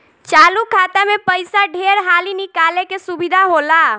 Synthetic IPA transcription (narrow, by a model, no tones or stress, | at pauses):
t͡ʃalukʰat̪amepəjsaɖʱeɾɦalinikalekesubid̪ʱaɦola